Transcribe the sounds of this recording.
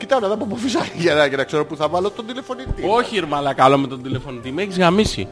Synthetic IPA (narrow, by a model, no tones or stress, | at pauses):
cit̪ɐnɐðɐpopofisɐʝɐnɐcenɐkse̞ɾopuθɐvɐlot̪ond̪ilefonit̪ioçiɾmɐlɐkɐlomet̪ond̪ile̞fo̞nit̪imeçizɣɐmisḭ